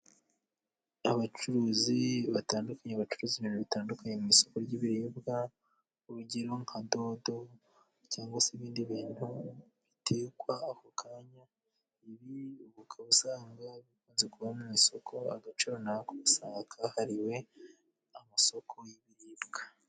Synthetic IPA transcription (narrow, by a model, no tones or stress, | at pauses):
aβat͡ʃuɾuːziβataːndukʰaɲeβat͡ʃuɾuːziβiːnuβitaːndukaɲe̞mumiso̞ko̞ɾɟiβiɾiːbɡa | uβuɟeɾoŋ̥ado̞ːdo̞ | caːŋɡwaseβiːndiβiːn̥huβitʰe̞ːkwaːkokʰaːɲa | iɾiuβukʰaβusaːŋɡaβikuːnzekuβamumiso̞kʰo̞a̰ɡat͡ʃuɾonaakoβisakʰahaɾiwe̞ | amaso̞kʰo̞jiβiɾiːbɡ̥ḁ